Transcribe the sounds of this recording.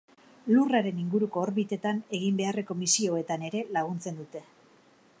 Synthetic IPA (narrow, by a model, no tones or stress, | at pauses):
luraɾe̞niŋɡuɾuko̞ːɾβit̪e̞t̪ane̞ɣimbe̞are̞ko̞misio̞e̞t̪ane̞ɾe̞laɣ̞unt͡se̞nd̪ut̪e̞